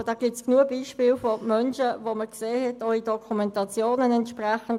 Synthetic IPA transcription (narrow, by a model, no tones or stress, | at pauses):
d̥ɑːɡ̥ɪp̚t͡sknuəbiːʃpiːlfomœnʃəvoməkseːhɛtɔid̥ɔkʰumɛntɑt͡sjoːnənɛntʃpʁaχən̩d